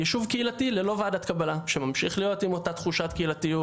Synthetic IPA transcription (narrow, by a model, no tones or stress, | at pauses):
jeʃuvkeilatilelo̞vaːdat̪kabalaʃemamʃiχlijo̞timo̞tat̪χuʃatkeilatiju